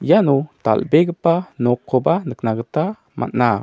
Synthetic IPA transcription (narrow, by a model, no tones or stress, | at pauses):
janot̪a̰lbeɡpanokʰobanəknaɡət̪a | ma̰na